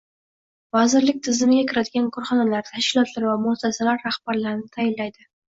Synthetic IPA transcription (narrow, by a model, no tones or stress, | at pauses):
vazɪɾlɪk̚ʲt̪ʰɪzɪmɪɡʲakʲʰɪɾad̪ɪɡʲankʰoɾχɒnalaɾt̪ʰaʃkʲɪlˠɒt̪laɾvamʊsasalaɾːahbaɾlaɾɪnɪt̪ʰajɪllːajd̪ɪ